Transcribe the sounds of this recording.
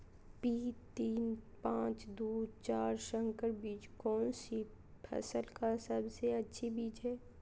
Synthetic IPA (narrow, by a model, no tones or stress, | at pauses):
piːt̪iːnpãːt͡ʃd̪uːd̪t͡ʃaːɾʃə̃ŋkəɾbiːd͡ʒkɔːnsi | pʰɐ̰səlkasəbseɐtːʃʰibiːd͡ʒɦɛː